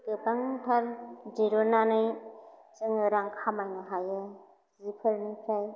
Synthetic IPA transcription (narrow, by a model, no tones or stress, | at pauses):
ɡɯbaŋpʰaɾd͡ʒiɾɔnanɯjsɯŋɯɾaŋkʰamajnɯɦajɯ | zipʰɯɾnipʰɾaj